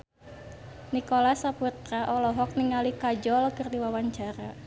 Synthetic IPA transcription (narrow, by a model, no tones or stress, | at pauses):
nikɔlasaput̪ɾaʔɔlɔɦɔk̚niŋalikad͡ʒɔlkɨrdiwawaɲt͡ʃaɾa